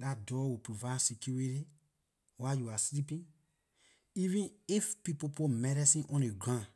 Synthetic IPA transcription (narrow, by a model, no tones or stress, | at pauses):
dat̚dɔwupɹovasikʰjuɹiti | wajuaslipĩn | ivĩnifpipopumɛɾɛsĩnʔɔ̃neɡɹãn